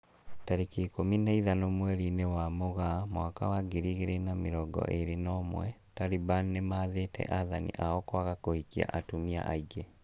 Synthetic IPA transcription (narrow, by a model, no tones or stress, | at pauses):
taɾekikominaiðanomwɛɾinewamoɣamwaka̰waɡeɾiɣeɾenamiɾɔɡɔ̰ʔeɾenɔːmwɛ̰taɾibanːemaðetɛ̰ʔaðanḭʔaɔkwaɣakohikia̰ʔatumia̰ʔaiɡe